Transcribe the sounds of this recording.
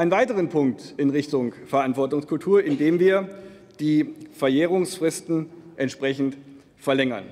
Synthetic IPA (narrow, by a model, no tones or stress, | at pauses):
aɪnənvaɪtəʁ̞ənpʰʊŋk̚tɪnʁɪçtʊŋfɛɐʔantv̥ɔɐtʊŋskʰʊltʰuːɐɪndeːmviːɐ | d̥iːfɛɐjeːʁ̞ʊŋsfʁ̥ɪstn̩ʔɛntʃpʁ̥ɛçn̩t | fɛɐlɛŋɐ̰n